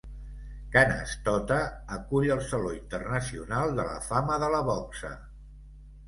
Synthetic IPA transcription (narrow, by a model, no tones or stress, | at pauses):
kanə̰st̪ɔt̪əːkuʎəlˠsəloint̪ərnəsiunalˠd̪ələ̰faməðələβɔksə̰